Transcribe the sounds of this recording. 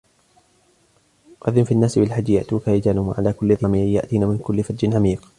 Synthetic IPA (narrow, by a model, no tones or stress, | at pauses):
qɑðɪmfiʔanːaːsɪbɪlħad͡ʒːja̰ʔt̪uːkaːjɪd͡ʒaːlʊmaʕalaːkʊlːɪðamiːʕja̰ʔt̪iːnaːmɪnkʊlːɪfat̪d͡ʒɪnʕamiːq